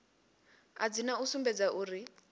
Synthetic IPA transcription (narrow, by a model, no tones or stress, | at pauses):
a̰d͡zinausumbɛd͡zaʔuːri